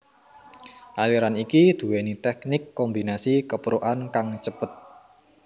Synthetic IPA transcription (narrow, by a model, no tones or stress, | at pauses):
ʔaliɾanikid̪̥ṳwɛnit̪ɛk̚nɪkːɔmbi̤nasikəpɾoʔankaŋt͡ʃəpət̪̚